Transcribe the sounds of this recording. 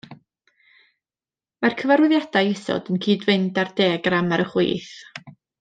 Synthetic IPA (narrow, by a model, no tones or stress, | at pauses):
markʰəvaɾʊðjadajɛsɔ̰dənkʰiːdvɨndardeːɡramaɾəχwɨ̰ːθ